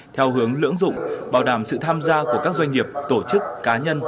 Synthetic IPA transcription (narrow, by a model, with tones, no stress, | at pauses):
t̪ʰɛ˧wɦɨ˨˦əŋlɨ̰˧˥əŋzʊ̰˧˨ŋ͡mɓaː˧˩wɗaː˧˩msɨ̰˧˨t̪ʰaː˧mzaː˧ku˧˩əkaː˦˥k̚zwjŋ̟ŋi˨˩əp̚t̪o˧˩t͡ɕɨ˦˥k̚ːaː˨˦ɲə˧n